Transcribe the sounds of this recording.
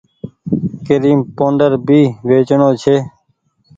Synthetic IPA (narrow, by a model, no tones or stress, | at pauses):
keɾiːmpõːɳɖəɾbʱiːʋeːt͡ʃɳõːt͡ʃʰeː